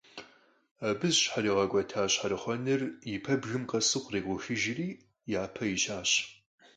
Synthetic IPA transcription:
aːbɨzɕħaɾiːʁɐɡʷɔtʰaːɕħaɾɨχʷɔnɨrjɪpʰɐbɣɨmqɐsɨqʷreːɡʷʊxɨʒɪriː | jaːpʰɐjɪɕaːɕ

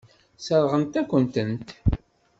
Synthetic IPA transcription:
səɾˤʁəmt̪ækʷːənt̪ənt̪

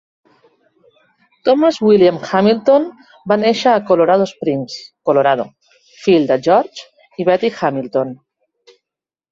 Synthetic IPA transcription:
t̪omazwiljamxamilt̪on | baneʃaːkoloɾað̞ospɾinskoloɾað̞o̰ | fild̪ad͡ʒoɾt͡ʃ | iβɛt̪ixamilt̪on

